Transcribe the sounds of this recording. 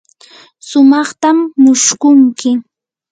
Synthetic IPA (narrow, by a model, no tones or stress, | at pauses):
sʊmɑχt̪amːʊʃkʊŋkɪ